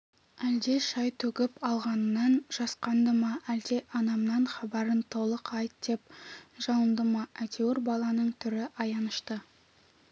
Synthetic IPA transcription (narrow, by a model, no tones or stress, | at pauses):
æld̪e̞ʃɑjt̪ʰɵkʲɪpɑlˠʁɑnənɑnʒ̥ɑsqɑnd̪əmɑʔæld̪e̞ʔɑnɑmnɑnχɑbɑɾənt̪ʰo̞lˠəqɑjt̪d̪e̞p̚ʒ̥ɑwənd̪əmɑæt̪ʲʰewɪrbɑlˠɑnəɴt̪ʰʏɾɪʔɑjɑnəʃt̪ə